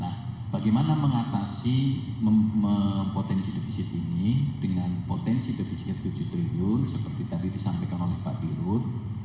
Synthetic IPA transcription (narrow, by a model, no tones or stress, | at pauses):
nah | b̥aɡemanaməŋat̪asi | məməmpot̪ɛnsidefisɪt̪inid̥əŋanpot̪ɛnsidefisiɪt̪ːud͡ʒ̥ut̪ɾibiʊnsəpərt̪it̪adidisampɛkanolɛhpa̰ʔbiɾʊt̪̚